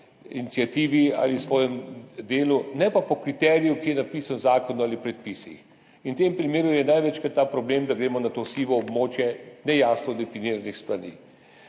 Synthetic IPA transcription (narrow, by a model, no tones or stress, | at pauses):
init̪sijat̪iːʋia̰ːlisʋɔːjɛmd̪eːlunɛpapɔkɾit̪ɛːɾijukijɛnapiːsanzaːkɔnuaːlipɾɛt̪̚pisḭx | inwt̪empɾimeːɾujɛnajʋɛt͡ʃkat̪ːaːpɾɔbleːmd̪aɡɾeːmɔnat̪osiːʋɔːbmoːt͡ʃjɛnɛjaːsnɔd̪ɛfiniːɾanixst̪ʋanḭː